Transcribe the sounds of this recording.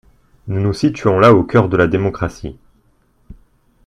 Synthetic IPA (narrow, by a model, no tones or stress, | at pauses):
nunusit̪ɥɔ̃laokʲœʁd̪əlad̪emɔkχasḭ